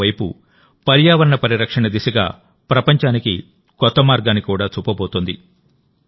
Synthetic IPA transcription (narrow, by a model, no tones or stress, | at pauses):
ɐjpṵ | pɐɾjaːʋɐɾɐɳɐpɐɾiɾɐkʂɐɳɐd̪isɐɡa̰ː | pɾɐpɐɲt͡ʃaːnikḭ | kɔt̪ːɐmaːɾɡaːnikuːɽaːt͡ʃuːpɐboːt̪und̪ḭ